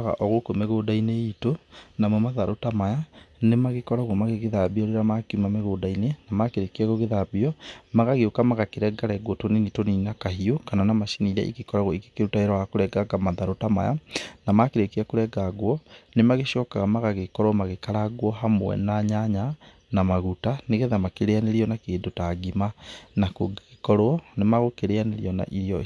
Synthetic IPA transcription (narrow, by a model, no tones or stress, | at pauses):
ɣa̰ʔɔɣokomeɣoːdaineitonamwɛmaðaɾotamajanemaɣekɔɾaɣwɔmaɣeɣeðabiɔɾeɾamakimameɣoːdainenamakeɾekiaɣoɣeðabiɔmaɣaɣeokamaɣakeɾɛɡaɾɛɡwɔtoninitoninakaɦiokananamaʃiniɾɛ̰ʔḭɣekɔɾaɣwɔike̥keɾutaeɾaakoɾɛɡaɡamaðaɾotama̰ja̰namakeɾekiakoɾɛɡaɣwɔnemaɣeʃɔkaɣamaɣaɣekɔɾoɔmaɣekaɾaɣwɔɦamo̰ɛ̰naɲaɲa | namaɣutaneɣeðamakeɾeaneɾiɔnakeːndotaɡimanakoekɔɾoɔnemaɣokeɾeaneɾiɔna̰ʔiɾiɔ